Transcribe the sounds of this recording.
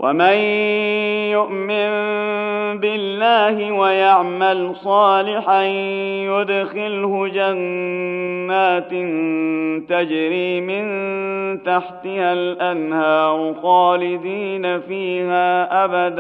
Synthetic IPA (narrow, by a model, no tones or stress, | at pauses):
wʔa̰man | jʊʔmɪn | bɪlːaːhɪwajaʕmalsˤɑːlɪħajʊd̪xɪlhʊd͡ʒanː | aːt̪nt̪ad͡ʒɾiːmɪnt̪aħt̪ɪhalʔanhaːɾʊxɑːlɪd̪iːnafiːhaːʔabad̪